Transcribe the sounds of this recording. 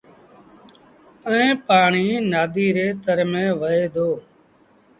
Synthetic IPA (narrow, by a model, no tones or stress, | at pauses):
əẽːpaːɳiːnaːd̪iːɾeːt̪əɾmẽːʋəeːd̪ʱoː